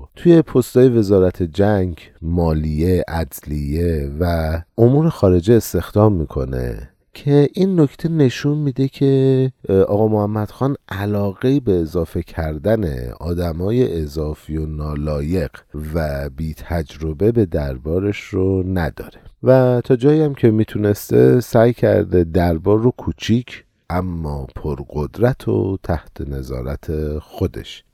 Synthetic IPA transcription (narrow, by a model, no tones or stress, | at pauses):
t̪ʰuje̞pʰo̞st̪ɒːje̞ve̞zɒːɾæt̪ʰed͡ʒæŋɟ | mɒːlijeʔæd̪lijevæʔomuːɾexɒːɾe̞d͡ʒeːst̪e̞xd̪ɒːmːiːkʰo̞nḛ | cʰe̞ʔinːo̞cʰt̪ʰe̞ne̞ʃunmid̪e̞cʰe̞ʔɒːɣɒːjmohæmːæd̪̥xɒːnʔælɒːɣe̞iːbe̞ːzɒːfe̞cʰæɾd̪ænḛɒ̰ːd̪æmɒːje̞ʔezɒːfio̞nɒːlɒːje̞ɢ̥væbiːt̪ʰæd͡ʒɾo̞be̞be̞d̪æɾbɒːɾeʃɾonæd̪̥ɒ̰ːɾe̞væt̪ʰɒːd͡ʒɒːjiæmcʰe̞miːt̪ʰune̞st̪e̞sæjcʰæ̰ɾd̪e̞d̪æɾbɒːrːokʰut͡ʃʰiːcʰ | ʔæmːɒːpʰoɾɢod̪ɾæt̪ʰo̰t̪ʰæht̪ʰene̞zɒ̰ːɾæt̪ʰexo̞d̪e̞̰ʃ